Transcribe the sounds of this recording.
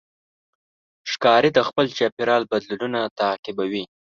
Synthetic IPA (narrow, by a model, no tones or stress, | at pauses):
ʃkɑɾid̪axpəlt͡ʃapɪɾɑlbad̪lulunat̪aːqɪbawi